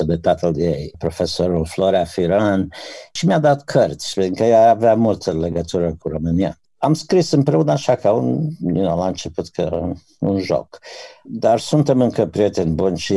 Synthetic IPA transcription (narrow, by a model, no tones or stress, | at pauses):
əd̪et̪at̪əld̪iejpɾo̞fesoɾulfloɾeafiɾanʃimʲad̪at̪kʰərt̪sʲpiŋkəjaaveamult̪ʰəle̞ɡət̪uɾəkuɾo̞mɨnia̰ | amskɾisɨmpɾe̞unəaʃakaunilaɨnt͡ʃe̞put̪kʰə | ṵnʒo̰kd̪arsunt̪e̞mɨŋkəpɾijet̪e̞nʲbunʃi